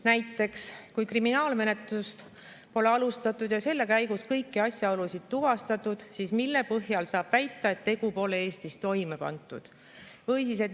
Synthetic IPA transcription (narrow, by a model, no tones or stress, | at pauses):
næjt̪ːˑe̞kskujkriminɑːlme̞ne̞t̪lust̪ | po̞le̞ɑlust̪ɑt̪ːˑud̪̥jɑse̞lːe̞kæjɡuskɤjkːiɑsʲjɑolusid̪̥̚t̪uvɑst̪ɑt̪ˑud̪̥siːsmilːe̞pɤɦjɑlsɑːb̥væjt̪ːˑɑe̞t̪ːe̞ɡ̥upo̞leeːst̪ist̪o̞jme̞pɑ̰nt̪ːˑṵd̪̥ | vɤjsise̞t̪